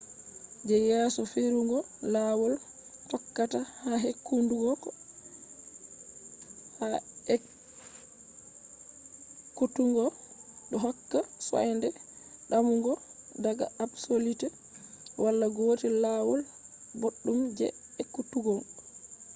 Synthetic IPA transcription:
d͡ʒɛjɛsɔfiɾuŋɡɔlawɔl | tɔkːatahaɦekːunduɡɔkɔ | haɛ | kːutuŋɡɔɗɔɦɔkːasɔ̰jndɛɗamuŋɡɔdaɡa̰absolitɛ | wʔalːaɡoːtilawɔl | boɗːumd͡ʒɛ̰ | ɛkːutuɡɔŋ

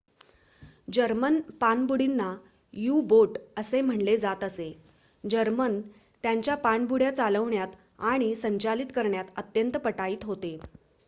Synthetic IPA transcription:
d͡ʑəɾmənpanbuɽinːa | juboʈəsem̤əɳled͡zat̪əse | d͡ʑəɾmən | t̪jaɲt͡ɕjapanbuɽjat͡saləʋɳjat̪ | aɽ̃isəɲt͡ɕalit̪kəɾɳjat̪ət̪jənt̪əpəʈaiːt̪ɦot̪e

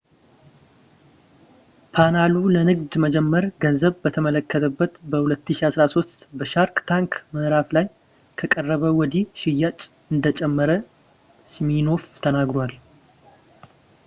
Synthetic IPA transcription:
pʰanalulənɨɡd̪məd͡ʒɛmːəɾɡənzəβbət̪ʰəmələkːət̪ʰəbːət̪bəhulət̪ːɨʃiasɾaso̞st̪bəʃaɾkt̪ʰaŋkməɾaflaj | kʰəkʼərːəβəwɔd̪iʃɪjːat͡ʃʼ | ɨnd̪ət͡ʃʼɛmːəɾə | smino̞ft̪ʰənaɡɾwal

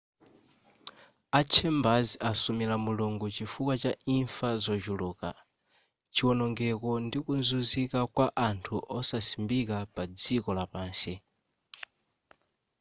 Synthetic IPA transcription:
at͡ʃʰɛmbaziasumilamuluŋɡut͡ʃifukwat͡ʃaiɱfazɔt͡ʃuluːka̰ | t͡ʃiwɔnɔŋɡɛkɔndikunzuzikakwaʔantʰuʔɔsasimbikapad͡zikɔlapaːnsi

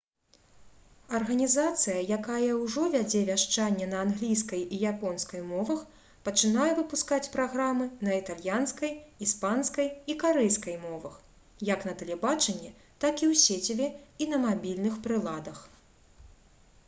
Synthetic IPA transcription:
ɐrɣɐnʲizat̪sɨjɐjakajɐwʐɔvʲad͡zʲɛvʲaʂt͡ʂanʲːɛnɐːnɣlʲijskɐjijapɔnskɐjmɔvɐx | pɐt͡ʂɨnajɛvɨpuskat͡sʲpɾaɣɾamɨnɐit̪alʲjanskɐjispanskɐjikaɾɛjskɐjmɔvɐx | jɐknɐt̪ɛlʲɛbat͡ʂɐnʲːɛ | t̪akiwsʲet͡sʲivʲɛinɐmabʲilʲnɨxpɾɨlˠad̪ɐx

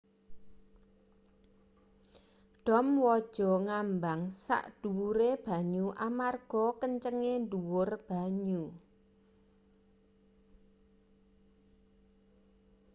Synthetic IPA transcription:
ɖ̥ɔ̤mwɔd̥ʒ̥ɔ̤ŋambaŋsa̰ʔd̥uwuɾeb̥a̤ɲuʔamarɡ̥ɔkəɲt͡ʃəŋenduwʊrb̥a̤ɲu

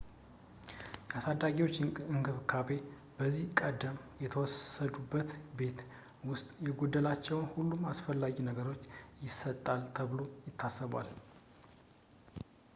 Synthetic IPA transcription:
jɛasad̪ːaɡiwo̞t͡ʃːɨŋɡɨβkʰabe̞ | b̥əzːihkʼəd̪əmjɛt̪ʰəwɔsəd̪ubːət̪be̞t̪ | wʊst̪ʼjɛɡod̪ːəlat͡ʃːɛwnhulːumasfəlːaɡinəɡəɾo̞t͡ʃːjɪsːət̪ʼːalt̪ʰəβɨlo̞jɪt̪ʰːasːəβa̰l

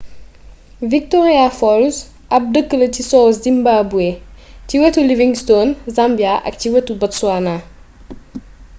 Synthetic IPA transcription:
vik̚tɔɾiafɔls | ʔɐp̚dəkːəlɐcisɔszimbabueciwɐtuliviŋstonzambjaʔɐ̰k̚ciwɐtubɐtsuana

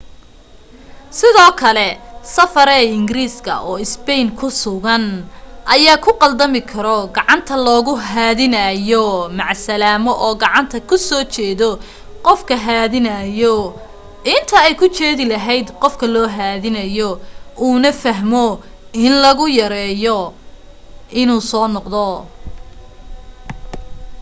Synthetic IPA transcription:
sɪðɔːkʰɐlɛsɐfɐɾɛɪŋɡɪɾiːskʰɐ̰ʔɔːɪspɛjnkʰʊsʊɣɐnʔɐjaːkʰʊqɑld̪ɐmɪkʰɐɾɔɡɑʕɑnt̪ʰɐlɔːɣʊɦaːðɪnɐjɔmɑʕsɐlaːmɔʔɔːɡɑʕɑnt̪ʰɐkʰʊsɔːt͡ʃɛːðɔ | qɔfkʰɐɦaːðɪnɐjɔ | ɪnt̪ʰɐɛjkʰʊt͡ʃɛːðɪlɐɦɛjd̪qɔfkʰɐlɔːɦaːðɪnɐjɔuːnɐfɐɦmɔ | ɪnlɐɣʊjɐɾɛːjɔ | ʔɪnuːsɔːnɔqd̪ɔ

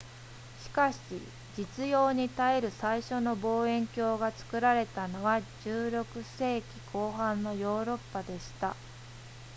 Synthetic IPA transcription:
ɕi̥kaɕi | d͡ʑit͡sɨjo̞ːɲ̟it̪aeɾɯ̟saiɕo̞no̞bo̞ːẽ̞ŋkʲo̞ːɡat͡sɨ̥kɯ̟ɾaɾe̞t̪ano̞βaʑɨːɾo̞kɯ̟se̞ːkʲi̥kʰo̞ːɦãnːo̞jo̞ːɾo̞pːad̪e̞ɕi̥t̪a

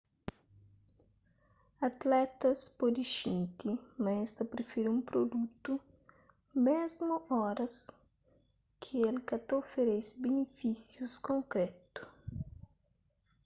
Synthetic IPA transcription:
at̪lɛt̪ɐspɔd̪iʃĩnt̪imɐɛst̪ɐpɾefiɾũpɾod̪ut̪u | mezmuɔɾɐs | kʰielkɐt̪ofeɾɛsɪbenefisjuskõŋkɾɛt̪u̥

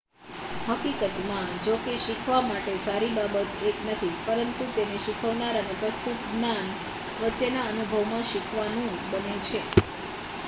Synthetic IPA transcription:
ɦəkikət̪mãd͡ʒokeʃikʰʋamaʈesaɾibabət̪eknət̪ʰipəɾənt̪ut̪eneʃikʰəʋnaɾənepɾəst̪ut̪nan | ʋətːʃenaənubʱəʋmãʃikʰʋanũ | bənet͡ʃʰe

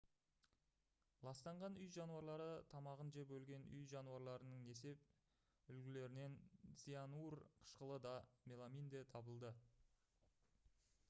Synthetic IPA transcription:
lˠɑst̪ɑɴʁɑnʏjʒɑnuɑɾlˠɑɾət̪ʰɑmɑʁənʒepbɵlɡʲe̞nʏjʒɑnuɑɾlˠɑɾənəɴe̞se̞p̚ | ʏlɡʲɪle̞ɾɪne̞nz̥ianurqʰə̥ʃqəlˠəd̪ɑmʲelˠamʲijnd̪et̪ʰɑbəlˠd̪ə

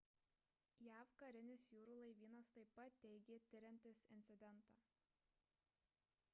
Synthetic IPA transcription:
jæːʋkɐɾʲɪnʲɪsjuːɾuːlˠɐɪʋʲiːnɐst̪ɐɪpːɐt̪ʲːɛɪɡʲeːt̪ʲɪɾʲɛnʲt̪ʲɪsɪnʲt̪sʲɪd̪ʲɛnˑt̪ɑː

